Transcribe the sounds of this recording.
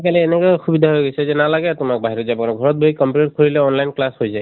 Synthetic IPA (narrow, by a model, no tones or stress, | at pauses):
kaliɛnɛkɔjxubidʱaɦojɡojsɛzɛnalaɡɛtʊmak̚baɦiɹɔzabɔnɔɡʱɔɹɔt̚boikɔmputɔt̚kʰoɹilɛɔnlajnklashojzaj